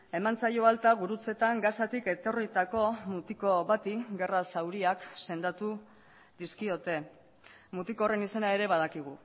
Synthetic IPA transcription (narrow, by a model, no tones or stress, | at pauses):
e̞mant͡sajoalt̪aɣuɾut͡se̞t̪aŋɡasat̪ike̞t̪o̞rit̪ako̞mut̪iko̞βat̪iɡe̞rasawɾiakse̞nd̪at̪u | d̪iskio̞t̪e̞ | mut̪iko̞re̞nise̞nae̞ɾe̞βað̞akiɣ̞u